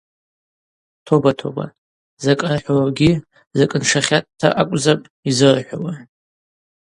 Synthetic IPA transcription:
tʰobatʰo̞̰ba̰ | zakʼarħʷᶣawaɡʲi | zakʼɨnʂaχʲattʰːa̰ʔakʷʼzapʼ | izɨrħʷᶣa̰wa

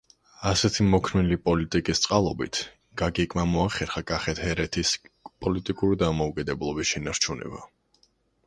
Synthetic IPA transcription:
asɛt̪ʰimɔkʰɾmɛlipʼɔlit̪ʼikʼist̪sʼqʼalˠɔbḭt̪ʰ | ɡ̥aɡikʼmamɔaχɛɾχakʼaχɛt̪ʰhɛɾɛt̪ʰispʼɔlit̪ʼikʼuɾid̪amɔukʼɛd̪ɛblˠɔbisʃɛnaɾt͡ʃʰunɛ̰ba̰

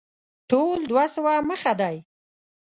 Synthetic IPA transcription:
ʈold̪wasəwaməxad̪aj

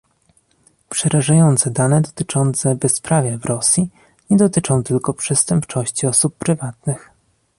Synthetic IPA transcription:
pʂɛɾʔaʐajɔnt̪sɛd̪anɛd̪ɔt̪ɘt͡ʂɔnt̪sɛbɛspɾavʲjɛvɾʔɔsʲji | ɲɛd̪ɔt̪ɘt͡ʂɔ̃w̃t̪ɘlkɔpʂɛst̪ɛmpt͡ʂɔɕt͡ɕiɔsupːɾɘvat̪nɘx

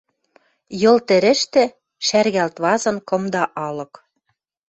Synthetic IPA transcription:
jɤ̆lt̪ɘ̆ɾɘ̆ʃt̪ɘ̆ | ʃærɣælt̪βɑzɤ̆nkɤ̆md̪ɑʔɑlɤ̆k

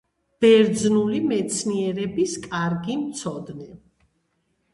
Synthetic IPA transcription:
b̥ɛɾd̪znulimɛt̪sʰniɛɾɛbiskʼaɾɡimt̪sʰɔd̪nɛ

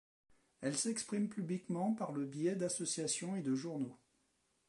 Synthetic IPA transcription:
ɛlsɛkspχimpyblikmɑ̃paʁləbjɛd̪asɔsjasjɔ̃ed̪əʒuʁno

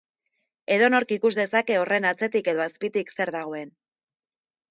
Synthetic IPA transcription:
e̞ðo̞no̞ɾkikuzðe̞sake̞o̞re̞nat͡se̞t̪ike̞ðo̞aspit̪ikse̞ɾðaɣ̞o̞e̞n

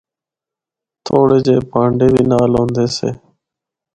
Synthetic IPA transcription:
t̪ʰoːɽeːd͡ʒeːpãːɳɖeːbiːnaːlõːnd̪eːseː

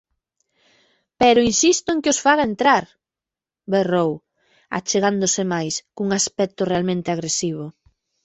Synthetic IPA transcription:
pɛɾʊinsist̪ʊeŋkɪosfaɣaent̪ɾaɾ | berow | a̰t͡ʃeɣand̪ʊsɪmajskuŋaspɛk̚t̪ʊrealmẽnt̪ɪaɣɾesiβ̞ʊ

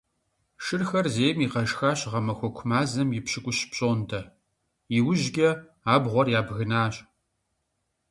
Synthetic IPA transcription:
ʃɨrxɐrzeːmiːqɐʒxaːɕʁɐmɐxʷɔkʷʰʊmaːzɐmjɪpɕɪkʷʼʊɕpɕʼoːndʰɐ | ɪwʊʒɡʲɐ | aːbʁʷɔrjaːbɣɨnaːɕʼ

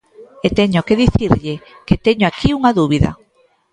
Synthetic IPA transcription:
et̪eɲokeðiθiɾʎɪ | ket̪eɲoakiuŋaðuβiða̰

